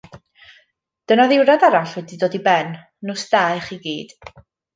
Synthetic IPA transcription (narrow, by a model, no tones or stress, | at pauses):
d̥ənaðɪwɾadaɾaɬwɛdidoːdibɛnː | ɔsd̥aɨχiɡiːd̥